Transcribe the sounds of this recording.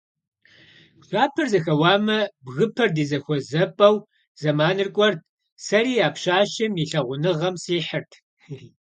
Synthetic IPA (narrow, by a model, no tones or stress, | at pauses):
ɕʷʼaːpʰɐrzɐxɐwɑːmɐbɣɨpʰɐrdiːzɐxʷɔzɐpʼɐw | z̥ɐmaːnɨrkʷʼɔrt̚ʰ | sɐɾiːaːpɕaːʃɐmiːɬɐʁʷʊnɨʁɐmsiːħərtʰ